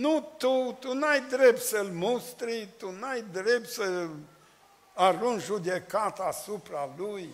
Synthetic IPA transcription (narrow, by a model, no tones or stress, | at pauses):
nut̪ut̪unajd̪ɾept̪səlmust̪ɾit̪unajd̪ɾep̚t̪sə | arunʒud̪ekat̪asupɾaluj